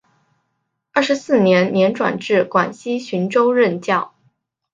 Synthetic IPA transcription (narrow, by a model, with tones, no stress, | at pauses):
ə˥˩ʂ̩˧˥sɹ̩˥˩njɛ˧˥nnjɛ˧˥nʈ͡ʂwa̰˨˩nʈ͡ʂɻ̩˥˩kwa˨˩nɕi˥ɕy˧˥nʈ͡ʂo˥ʊɻə˥˧nt͡ɕjɑ˥˩ʊ